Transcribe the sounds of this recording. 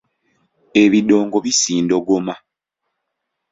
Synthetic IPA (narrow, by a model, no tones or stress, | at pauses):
e̞βido̞ːŋɡoβisiːndoɡoma